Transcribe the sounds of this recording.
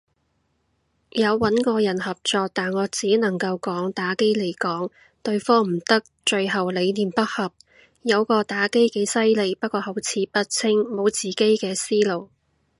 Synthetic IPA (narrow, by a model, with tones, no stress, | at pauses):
jɐ˨˧wːɐ˨˥nkɔː˧jɐ˨˩nhɐ˨p̚t͡sɔː˧k̚t̪aː˨nŋɔː˨˧t͡siː˨˥nɐ˨˩ŋkɐ˧wkɔː˨˥ŋt̪aː˨˥ke˥jle˨˩jkɔː˨˥ŋ | t̪ɵ˧ɥfɔː˥m̩˨˩t̪ɐ˥k̚t͡ʃɵ˧ɥɦɐ˨wle˨˧jniː˨˩npɐ˥t̚hɐ˨p̚ | jɐ˨˧wkɔː˧t̪aː˨˥ke˥jke˨˥jsɐ˥jle˨˧jpɐ˥t̚kɔː˧hɐ˨˥wt͡sʰiː˨˧˥pɐ˥t̚t͡sʰɪ˥ŋmo˨˧wt͡siː˨˩ke˥jkɛː˧siː˥lo˨˩w